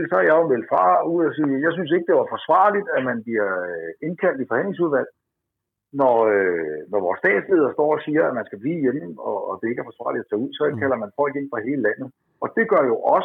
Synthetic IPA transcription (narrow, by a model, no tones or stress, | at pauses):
lsɒæjɑ̈omeld̥fɑ̰̈ːuð̰ˠɒsiːjɑ̈ɪs̬ynse̝ɡ̥̚d̥e̝ʋɑ̈fɒ̽sʋɑ̰̈ːlid̥æmænb̥liɐe̝nkʰæl̰d̥ifɒ̽hæn̰le̝ŋs̬uð̞ˠʋæl̰ | nɒønɒʋɒ̰ːsd̥ɛ̰ːd̥slið̞̰ˠɐsd̥ɒ̰ːɒsiːɐæmænsɡ̥æb̥liːjemɒ̽ːd̥e̝e̝ɡ̥æɐfɒ̽sʋɑ̰̈ːlid̥æt͡sʰɛ̰ːuð̰ˠsɒ̽kʰælɐmænfɒ̽l̰ɡ̥e̝nfʁɑ̈ɦe̝ːləlæn̰ð̩ˠ | ɒ̽d̥e̝ɡ̥ɶɐjo̝ʔɒ̽s